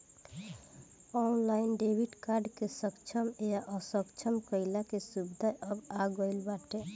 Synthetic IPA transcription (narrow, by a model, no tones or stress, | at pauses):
ɔnlainɖebʱiʈkaɾɖkesəkt͡ʃʰəmejaʔɔsəkt͡ʃʰəmkəɪlakesubd̪ʱaəbaɡəɪlbaʈe